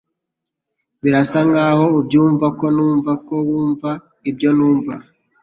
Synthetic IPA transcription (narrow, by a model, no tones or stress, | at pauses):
βiɾasaŋɡaho̞ubjuːɱvako̞nuːɱvako̞wuːɱva | ib̚jo̞nuːɱva